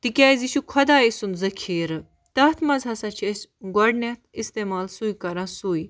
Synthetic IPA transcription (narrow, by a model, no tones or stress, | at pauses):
t̪ikʲaːiziʃukʰɐd̪aːisunzɐkʰiːɾ | t̪ɐt̪ʰmɐzɦɐsaːt͡ʃʰesʲɡɔɖnʲɐt̪ʰist̪eːmaːlsuikɐɾãːsui